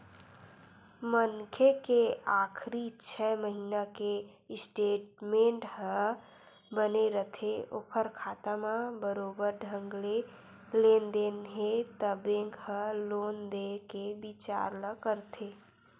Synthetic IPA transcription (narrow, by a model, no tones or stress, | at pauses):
mənkʰekeakʰɾit͡ʃʰɛməɦinake | sʈeʈmeɳʈhə̃ | bəneɾət̪ʰeo̰pʰəɾkʰat̪amãbəɾobəɾɖʱəŋɡle | lend̪enɦet̪əbẽŋkhə̃lond̪ekebit͡ʃa̰ɾləkəɾt̪ʰe